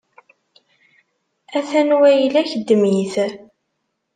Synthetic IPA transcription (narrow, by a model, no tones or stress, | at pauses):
æθænwæjlæçəd̪ːəmiθ